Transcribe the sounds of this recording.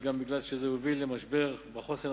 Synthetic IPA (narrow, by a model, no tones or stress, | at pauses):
ɡambiɡlalʃezehovilːemaʃbe̞ʁbeχo̞seʁ